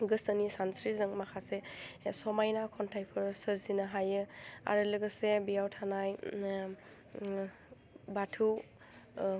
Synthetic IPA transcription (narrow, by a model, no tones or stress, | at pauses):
ɡɯsənisansɾizɯŋmakʰasesɔmajnakʰɔntʰajpʰɯɾsəɾzinaɦajɯa̰ɾɯlɯɡɯsebijawtʰanaj | batʰu